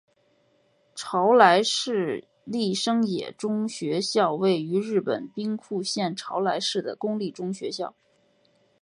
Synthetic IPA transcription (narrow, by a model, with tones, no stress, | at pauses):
ʈ͡ʂʰɑ˧˥ʊla˧˥ɪʂɻ̩˥˧ | li˥˩ʂɤ˥ŋjɛ̰˨˩ʈ͡ʂʊ˥ŋɕɥɛ˧˥ɕjɑ˥˧ʊwe˥˩ɪy˧˥ɻɻ̩˥˩pə̰˨˩npi˥ŋkʰu˥˧ɕjɛ˥˩nʈ͡ʂʰɑ˧˥ʊla˧˥ɪʂɻ̩˥˩d̪ə̰˩kʊ˥ŋli˥˩ʈ͡ʂʊ˥ŋɕɥɛ˧˥ɕjɑ˥˩ʊ